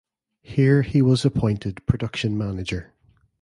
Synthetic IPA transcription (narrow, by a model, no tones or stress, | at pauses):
hiɹhiwɒzəpʰɔ̃ɪ̃ntʰɪd̚pʰɹ̥ədʌkʃə̃nmanɪd͡ʒə˞